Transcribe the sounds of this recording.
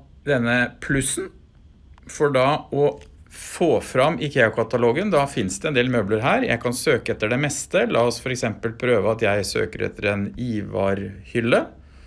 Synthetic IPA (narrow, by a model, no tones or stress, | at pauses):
d̪ɛnːəpʰlʉsn | fɔɖɑɔfoːfɾɑmːʔɪkʰeːʊkʰɑt̪ɑloːɡənd̪ɑfɪnsd̪ɛɛnd̪eːlmøːbləɾɦæːɾjæ̰ɪkʰɑnsøːkəɛt̪ːəɖɛmɛst̪əlʔɑːɔsfɔɾɛksɛmpəlpʰɾøːʋəɑt̪jæɪsø̰ːkəɾɛ̰t̪ʰːəɾɛniːʋɑ̰ːɾhʏlːə